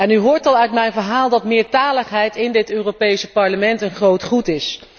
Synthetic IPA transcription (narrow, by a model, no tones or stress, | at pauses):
ɛnyɦʊːɹtɑlˠœɥtmɛjnvəɹɦaːlˠdɑtmɪːɹtaːləχɦɛjtɪndɪtøːropejsəpɑɹləmɛntənχrowtχutɪs